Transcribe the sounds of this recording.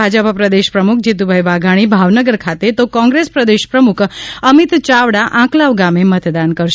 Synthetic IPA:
ad͡ʒəppɾəd̪eʃpɾəmukʰd͡ʒit̪̬ubʱajʋaɡʱaɽ̃ibʱaʋnəɡəɾkʰat̪et̪okɔ̃ŋɡɾespɾəd̪eʃpɾəmukʰəmit̪t͡ʃaʋɽaʔãklaʋɡamemət̪d̪ankəɾʃ

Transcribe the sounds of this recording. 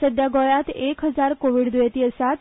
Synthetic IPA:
səd̪jaɡɔjat̪ekɦəd͡ʒaɾkoʋiɽd̪ʋet̪iəsat̪

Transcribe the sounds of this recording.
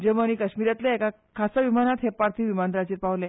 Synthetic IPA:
d͡ʑeməñikəɕmiɾjat̪leeka | kʰasaʋimanat̪ɦepaɾt̪ʰiːʋimand̪ɾat͡ɕiːɾpaʋlẽ

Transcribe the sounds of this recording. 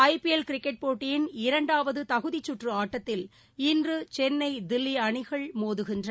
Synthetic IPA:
ɐɪpiɛlkɪɾɪkːɛʈ̚poːʈːɪjɪnɪɾɐɳɖaːʋɐðɯt̪ɐɣɯðit͡ʃːʊʈrɯaːʈːɐt̪ːɪl | ɪndrɯt͡ʃɛnːɐɪd̪ɪlːiɐɳɪɣɐɭmoːðɯɣɪndrɐ

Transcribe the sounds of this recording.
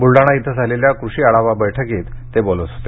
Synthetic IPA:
buɭɖaɽ̃ait̪ʰəd͡zʱaleljakɾuɕiːaɽaʋabəjʈʰəkiːt̪ːebolosɦot̪e

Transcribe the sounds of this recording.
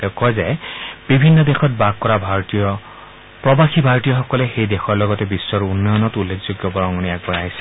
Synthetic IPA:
tɛʊkɔjzɛb̥ibʱinːɔdexɔt̚baɡ̚kɔɹabʱaɹɔtijɔ | pɹɔbaxibʱaɹtijɔxɔkɔlɛxejdexɔɹlɔɡɔtɛbisːɔɹunːɔjɔnɔtulːekʰz̥oɡjɔbɔɹɔŋɔniak̚bɔɹaɦisɛ̥

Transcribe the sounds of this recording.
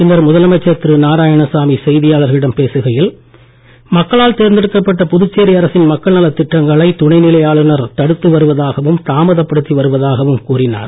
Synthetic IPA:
ɪnɐɾmʊðɐlɐmɐt͡ʃːɐt̪ɾɯnaːɾaːjɐɳɐsaːmisɛjðɪjaːɭɐɾɣɐɪɽɐmpeːsɯɣɐjɪl | mɐkːɐɭaːɭt̪eːɾnd̪ɪɽɯkːɐpːɐʈːɐpʊðɯt͡ʃːeːɾiɐɾɐsɪnmɐkːɐɭnɐlɐt̪ːɪʈːɐŋɡɐɭɐɪt̪ʊɳɐɪnɪlɐjaːɭɯnɐɾt̪ɐɽɯt̪ːɯʋɐɾɯʋɐðaːɣɐʋɯmt̪aːmɐðɐpːɐɽɯt̪ːiʋɐɾɯʋɐðaːɣɐʋɯmkuːɾɪna̰ːɾ

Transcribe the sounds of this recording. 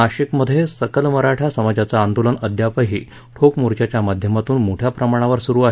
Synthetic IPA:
aɕikməd̪ʱːjesəkəlməɾaʈʰasəmad͡ʑat͡saːnd̪olənəd̪ʱjapəɦiː | ʈʰokmoɾt͡ɕjat͡ɕjamad̪ʱjəmat̪uːnmoʈʰjapɾəmaɽ̃aʋəɾsuɾuːaɦe

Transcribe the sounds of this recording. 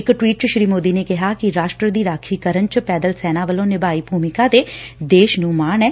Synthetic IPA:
ɪkʈwiːʈ̚t͡ʃəʃɾiːmoːd̪iːnekɪɦakiɾaːʃʈɾəd̪iɾaːkʰiːkəɾənt͡ʃəpɛːd̪əlsɛːnaːʋəlõːnɪbaːiːbʱuːmɪkat̪eːd̪eːʃnũːmaːnɛː

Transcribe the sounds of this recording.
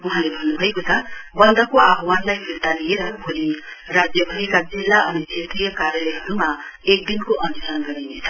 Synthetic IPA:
uɦãlebʱʌnːubʱʌekot͡sʰʌbʌnd̪ʌkoabʱwanlajpiɾt̪alijeɾʌbʱolirad͡zjʌpʰʌlikad͡zilːaʔʌnisʰet̪rijʌkaɾjʌleɦɾumaek̚d̪inkoʔʌnusʌnɡʌɾinet͡sʰʌ̥

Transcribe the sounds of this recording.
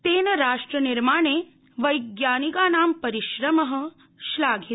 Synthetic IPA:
t̪eːnɐɾaːʂʈɾɐniɾmaːɳeː | ʋɐjɡjaːniɡaːnaːmpɐɾiʃɾɐmɐɦə̆ | ʃlaːɡʱi

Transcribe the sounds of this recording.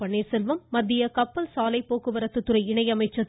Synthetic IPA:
ɐɳːeːsɛlʋɯmːɐd̪ːɪjɐkɐpːɐlsaːlɐɪpːoːkɯʋɐɾɐt̪ːɯt̪ːɯɾɐɪɪɳɐɪjɐmɐɪt͡ʃːɐ

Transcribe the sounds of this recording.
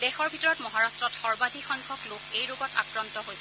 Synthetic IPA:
dɛxɔɹbʱitɔɹɔtmɔɦaɹastɹɔtxɔɹbadʱixɔŋkʰɔklokejɹoɡɔta̰kɹantɔɦojsɛ

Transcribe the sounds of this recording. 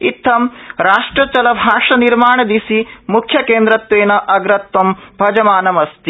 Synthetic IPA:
it̪ʰːɐmɾaːʂʈɾɐt͡ʃɐlɐbʱaːʂɐniɾmaːɳɐd̪isimukʰjɐkeːnd̪ɾɐt̪ʋeːnɐʔɐɡɾɐt̪wɐmbʱɐd͡ʒɐmaːnɐmɐst̪i

